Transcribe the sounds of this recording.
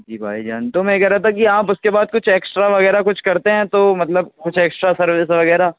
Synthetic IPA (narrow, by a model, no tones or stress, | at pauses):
d͡ʒiːbʱa̰ːid͡ʒaːnt̪omɛ̃ɡɛːɾat̪ʰak̬iaːpʊskebaːd̪̚kʊt͡ʃʰeːksʈɾaʋɐɣɛːɾakʊt͡ʃʰkɐɾt̪eɦɛ̃t̪omɐt̪ləb̚kʊt͡ʃʰeːksʈɾasɐɾʋɪsʋɐɣɛːɾa